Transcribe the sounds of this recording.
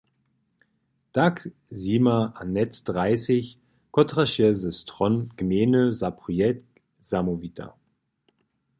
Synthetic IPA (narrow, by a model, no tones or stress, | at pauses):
d̥ak | ziːmaʔanɛtd̥ʁaɪsɪç | kɔtʁaʃɛzəstʁɔnɡ̥əmeːnəzapʁuɛt | z̥amovitʰa̰